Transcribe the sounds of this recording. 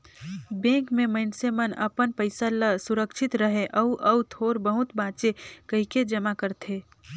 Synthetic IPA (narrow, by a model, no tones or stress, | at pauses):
bẽːkmẽməɪnsemənɐ̰pənpəɪsaləsʊɾəkʃʰɪt̪ɾɐɦeʔɐuʔɐwt̪ʰoːɾbəɦʊt̪baːt͡ʃekɐɦiked͡ʒɐmakəɾt̪ʰeː